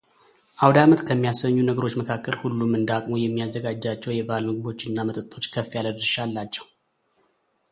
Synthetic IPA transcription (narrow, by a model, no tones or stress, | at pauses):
ʔawd̪amət̪kʰəmːijasəɲːunəɡəɾo̞t͡ʃːməkʰakːəlhulːumɨnd̪akʼmo̞jɛmːiazːəɡad͡ʒːat͡ʃːɛwjɛbalmɨɡɨbo̞t͡ʃːɪnːamət̪ʼɨt̪ʼːo̞t͡ʃːkʰəfijaləd̪ɨʃalːat͡ʃːɛ̥wu